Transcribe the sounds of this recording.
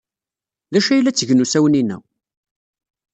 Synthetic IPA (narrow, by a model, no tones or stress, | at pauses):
ðæʃæjlːæt͡sːəʝnusæwəninæ̰w